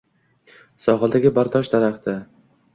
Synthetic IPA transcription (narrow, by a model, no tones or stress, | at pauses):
sɒχɨlˠd̪aɡʲɪbaɾd̪ʰɒʃd̪aɾaχt̪ʰɪ